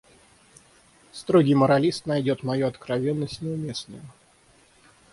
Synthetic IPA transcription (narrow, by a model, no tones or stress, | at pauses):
st̪ɾoɡʲɪjməɾɐlʲist̪nɐjdʲot̪mɐjuɐt̪kɾɐvʲe̞nːəsʲtʲnʲəʊmʲe̞snə̰jʊ